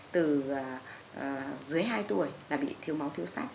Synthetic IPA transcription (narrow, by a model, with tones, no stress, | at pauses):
t̪ɨː˨˩˨ | zɨ˨˦əjɦaː˧jt̪u˨˩əjlaː˨˩ɓḭ˧˨t̪ʰi˧əwma˨˦wt̪ʰi˧əwsa̰ː˦˥k̚